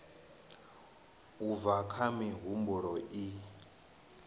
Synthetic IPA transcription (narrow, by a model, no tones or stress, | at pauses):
uvakʰamiɦumbuɺɔi